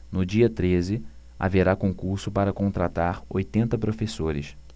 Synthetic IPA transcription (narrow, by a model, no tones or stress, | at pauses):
nʊd͡ʒiɐt̪ɾezɪ | a̰veɾakõŋkuɾsʊpaɾɐkõnt̪ɾat̪aɾojt̪ẽnt̪ɐpɾofesoɾɪ̰ʃ